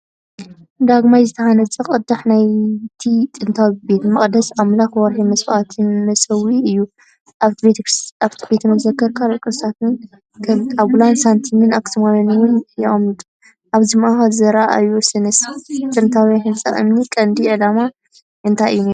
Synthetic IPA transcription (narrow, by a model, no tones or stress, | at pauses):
d̪aɡmajzɨt̪ʰɐhanɐt͡sʼɨχʼɨd̪aħnajt̪ʰit̪ʼɨnt̪ʰawibe̞t̪mɐχʼd̪ɐsamlaxwɔɾħimɐswʔat̪ʰɨnmɐsɐwiɨjːu | ʔaβbetʰɾaβt̪ʰibet̪ʰnɐzɐkʰːɐɾkʰalokʼɾɨst̪ʰat̪nɨn | kʰaβɡulansant̪ʰinɨnaksɨmajɐnwʊnjɛʔmd̪ | ʔaβzimʔaxazɐɾaʔa̰jusɨnɨst̪ʼɨnt̪ʰawjahɨnt͡sʼɐ̰χʼɨ̰mnikʼɐnd̪iʕɨlama | ʔɨnt̪ʰajʔɨ̰juneɾu